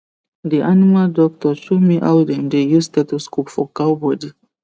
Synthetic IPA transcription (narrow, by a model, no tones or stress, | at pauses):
diʔanimaldɔk̚tɔʃumiʔa̰wdɛ̃ndejustɛd̚tuskupfɔkabɔdi